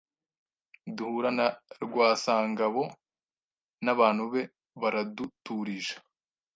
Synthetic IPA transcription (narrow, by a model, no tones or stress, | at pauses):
duhuːɾanaɾɡwaːsaːŋɡaβo̞ | naβaːn̥huβe̞ | βaɾadutuɾiʒḁ